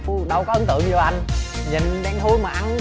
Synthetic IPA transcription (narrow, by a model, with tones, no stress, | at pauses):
ɗə˨˧˩wkɔː˨˦ʔə˧˦nt̪ɨ̰˧˨ə˨ŋ˧ɔ˧˦ʔa˧jŋ̟ɲḭ˨˩nɗɛ˨˧˦ŋt̪ʰu˧˦jmaː˨˩ʔa˧˦n